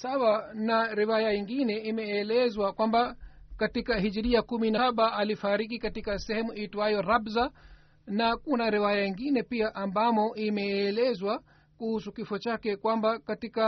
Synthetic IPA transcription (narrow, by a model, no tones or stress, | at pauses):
sawanaɾiwajaiŋɡinɛimɛːlɛzwakwambakatikaɦiʄiɾiakuminaɓaʔalifaɾik̬ikatikasɛhɛmuitwajɔɾabza | nakunaɾiwajaiŋɡinɛpiaʔambamɔʔimɛːlɛzwa | kuhusukifɔt͡ʃakɛkwambakatika